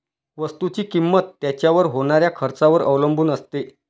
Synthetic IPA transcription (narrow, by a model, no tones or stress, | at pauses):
ʋəst̪ut͡ɕiːkimːət̪ːjat͡ɕjaʋəɾɦoɽ̃aɾjakʰəɾt͡saʋəɾəʋləmbʱuːnəst̪e